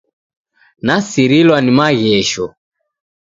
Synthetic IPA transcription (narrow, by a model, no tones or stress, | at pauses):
nasiɾilwanimaɣɛʃɔ